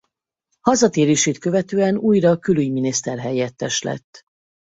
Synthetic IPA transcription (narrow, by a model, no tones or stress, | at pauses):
hɒzɒt̪eːɾeːʃeːt̪køvɛt̪øːɛnuːjrɒkylyɟminist̪ɛrɦɛjɛt̪ːɛʃlɛ̰t̪ː